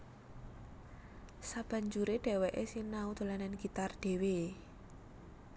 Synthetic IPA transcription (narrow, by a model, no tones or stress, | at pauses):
sab̥a̤ɲd͡ʒuɾeɖ̥ɛ̤wɛʔesinaud̪̥o̤lanɛnɡ̥it̪arɖ̪̥e̤we